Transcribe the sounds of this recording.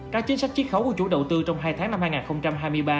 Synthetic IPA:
kaː˦˥k̚t͡ɕi˨˦nsa˦˥jk̚t͡ɕi˦˥t̚xə˨˦wku˧˩ət͡ɕṵ˧˩ɗə̰˨wt̪ɨ˧t͡ɕɔ˧wŋ͡mɦaː˧jt̪ʰaː˨˦ŋna˧mhaː˧jŋaː˨˩nxə˧wŋ͡mt͡ɕa˧mɦaː˧jmɨ˧əjɓaː˧

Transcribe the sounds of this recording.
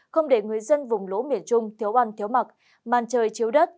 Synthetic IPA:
xə˧wŋ͡mɗe˧˩ŋɨ˨˩əjzə˧nvʊ˨˩ŋ͡mlo˨˦mḭ˧˨ənt͡ɕʊ˧ŋ͡mt̪ʰi˨˦əwʔa˧nt̪ʰi˨˦əwma˨˩t̚ | maː˨˩nt͡ɕəː˨˩jt͡ɕi˨˦əwɗə˦˥t̚

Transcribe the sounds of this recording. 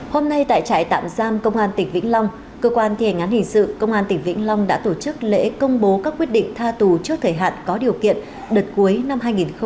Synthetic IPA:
ho˧mna˧jt̪a̰ː˧˨jt͡ɕa̰ː˧˨jt̪a̰ː˧˨mzaː˧mkə˧wŋ͡mʔaː˧nt̪ï˨˩ŋ̟vḭ˧˥ŋ̟lɔ˧wŋ͡m | kəː˧kwaː˧nt̪ʰi˧ha˨˩ŋ̟a˨˦nhï˨˩ŋ̟sɨ̰˧˨kə˧wŋ͡mʔaː˧nt̪ï˨˩ŋ̟vḭ˧˥ŋ̟lɔ˧wŋ͡mɗa̰ː˧˥t̪o˧˩t͡ɕɨ˦˥k̚lḛ˧˥kə˧wŋ͡mɓo˨˦kaː˦˥kːwət̚ɗḭ˧˨ŋ̟t̪ʰaː˧t̪u˨˩t͡ɕɨ˦˥k̚t̪ʰəː˧˩jɦa̰ː˧˨nkɔ˨˦ɗi˨˩əwkḭ˧˨ən | ɗəː˨˩t̚ku˨˦əjna˧mɦaː˧jŋi˨˩nx

